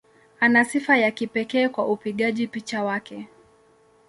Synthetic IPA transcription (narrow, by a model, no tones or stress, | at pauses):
anasifajakipɛkɛːkwaʔupiɠaʄipit͡ʃawakɛ